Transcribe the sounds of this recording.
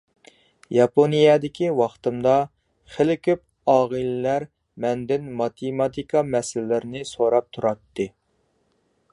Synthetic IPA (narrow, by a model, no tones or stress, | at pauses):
jɑpʰonijɛd̪ɪkʲiwɑχt̪ɨmd̪ɑ | χɪlɪkʲʰyp̚ | ɑːʁəlɪlæɾ | mɛnd̪ɪnmɑt̪ʰemɑt̪ʰikʰɑmɛsɪlɪlɪɾnɪsoɾɑp̚t̪ʰuɾɑt̪ːɨ